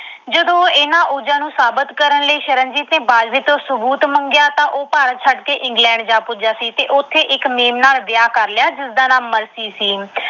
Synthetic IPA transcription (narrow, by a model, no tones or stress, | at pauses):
d͡ʒəd̪õːɪnãːʔuːd͡ʒãːnũːsaːbət̪kəɾənləiːʃəɾənd͡ʒiːt̪neːbaːd͡ʒdiːt̪õːsʊbuːt̪məŋɡɪjaːt̪ãːʔoːpaːɾt͡ʃʰəɖkeːʔɪ̃ŋɡlɛ̃ːɳɖd͡ʒaːpʊd͡ʒaːsiːt̪eːʔʊt̪ʰːeːʔɪkmeːmnaːld̪ɪjaːkəɾlɪjaːd͡ʒɪsd̪aːnaːmːəɾsiːsiː